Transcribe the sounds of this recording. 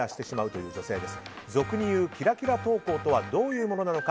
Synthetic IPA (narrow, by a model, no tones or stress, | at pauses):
aɕi̥t̪e̞ɕimaɯ̟t̪o̞jɯ̟ːd͡ʑo̞se̞ːd̪e̞sɨ̥ | zo̞kɯ̟ɲ̟ijɯ̟ːkʲiɾakʲiɾat̪o̞ːko̞ːt̪o̞βad̪o̞ːjɯ̟ːmo̞no̞nano̞ka